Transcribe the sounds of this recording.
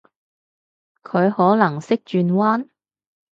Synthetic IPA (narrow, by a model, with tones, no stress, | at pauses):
kʰɵ˨˧ɥhɔː˨˥lɐ˨˩ŋsɪ˥k̚t͡ʃyː˧nwaː˥n